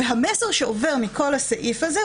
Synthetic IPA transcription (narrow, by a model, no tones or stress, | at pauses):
eɦameseʁʃeove̞ʁmiko̞lhasaʔifaze